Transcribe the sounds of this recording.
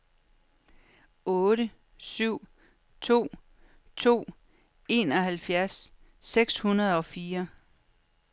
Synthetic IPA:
ɔ̽ːɾə | syʊ̰ | t͡sʰo̝̰ː | t͡sʰo̝̰ː | e̝ːnɒ̽ɦælfjæɐsː | eɡ̥shunɐðˠɒ̽fiːɐ

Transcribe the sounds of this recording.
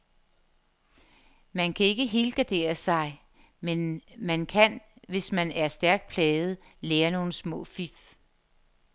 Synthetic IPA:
mænkʰæe̝ɡ̥əɦelɡ̥æd̥e̝̰ːɐsɑ̈ɪ | menmænkʰænʋe̝smænæɐsd̥æɐɡ̥̚d̥̚pʰlɛːð̞̩ˠ | leːɐno̝ːnəsmɔ̰̽ːfif

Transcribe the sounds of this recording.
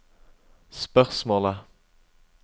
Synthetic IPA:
spœʁsmoːlə

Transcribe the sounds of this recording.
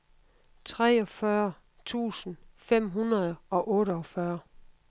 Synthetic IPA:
t͡sʰʁɛːɒ̽fɶɐ | t͡sʰṵːsn̩fem̰ɦunɐð̞ˠɒ̽ʔɔ̽ːɾəɒfɶɐ

